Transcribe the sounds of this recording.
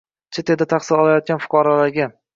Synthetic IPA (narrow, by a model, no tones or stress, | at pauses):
t͡ʃʰet̪ʰe̞d̪at̪ʰaqsɪlɒlajɒt̪̚kʲanfʊ̥qʰɒɾalaɾɡʲa